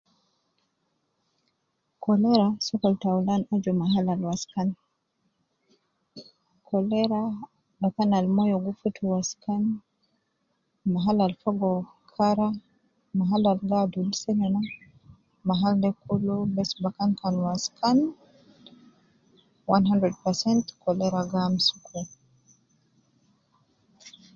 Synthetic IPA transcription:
kɔlɛɾasɔkaltawlanad͡ʒɔmaɦalalwaskan | kʰɔlɛɾa | ɗɔkanalmɔjɔɡufutʰuwaskan | maɦalalfaɡɔ | kʰaɾa | maɦalalɡadulsɛnɛna | maɦaldɛkʰulubɛsbakankanwaskʰan | wanɦandɾɛd̚pɛsɛntkɔlɛɾaɡamsukʰu

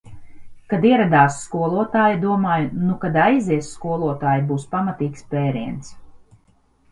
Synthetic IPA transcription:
kad̪iɛɾad̪aːsːkuɔlˠuɔt̪aːjd̪uɔmaːjnukad̪ajziɛsskuɔlˠuɔt̪aːjbuːspamat̪iːkspeːɾiɛns

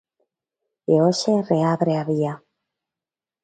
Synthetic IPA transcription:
eoʃereaβɾeaβia

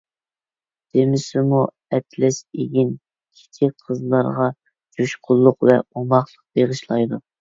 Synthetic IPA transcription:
d̪̥emɪsɪmu | ɛt̪ʰlɛʃeɡʲin | kʲʰi̥t͡ʃ̪ʰɪk̚qʰəzlˠɑɾʁɑ | d͡ʒuʃqʰʊlˠːʊqvɛ̰omɑχlˠəq̚b̥eʁɨʃlˠɑjd̪u

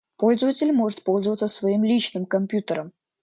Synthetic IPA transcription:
po̞lʲzəvətʲɪlʲmo̞ʐɨt̪̚po̞lʲzəvət̪səsvɐimlʲit͡ɕnɨmkɐmʲpʲjut̪əɾəm

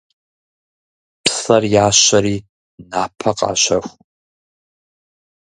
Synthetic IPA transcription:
pʰsɐrjaːɕɐɾiː | naːpʰɐqʼɑ̰ːɕɐxʷ

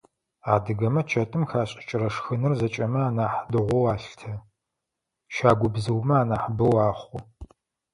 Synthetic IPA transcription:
aːdɨɡɐmɐt͡ʃʰɐtʼɨmxaːɕʼɪ̥t͡ʃʼɪɾɐʂxɨnɨrzɐt͡ʃʼɐmɐaːnaːħdɨʁʷɔwaːɬtʰɐ | ʃaːɡʷʊbzɨwmɐaːnaːħbɐwaːχʷʊ

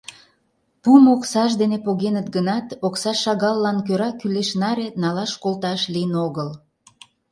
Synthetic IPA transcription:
pumoksɑʃd̪enepoɣenət̪̚ɡənɑt̪oksɑʃɑɣɑlːɑnkøɾɑkyleʃnɑɾenɑlɑʃkolt̪ɑʃlijənoɣəl

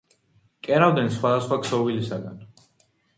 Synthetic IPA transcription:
kʼɛɾavd̪ɛnsχwad̪asχwaksɔvilisaɡa̰n

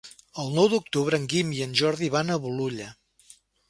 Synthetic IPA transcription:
əlˠnɔwd̪uk̚t̪uβ̞ɾəːŋɡimiənʲʒɔɾðiβanəβuluʎə

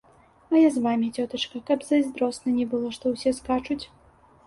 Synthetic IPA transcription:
ɐjazvamʲit͡sʲɔt̪ɐt͡ʂkɐkɐbzɐzʲd̪ɾɔsnɐnʲɛbɨlˠɔʂt̪ɔwsʲɛskat͡ʂut͡sʲ

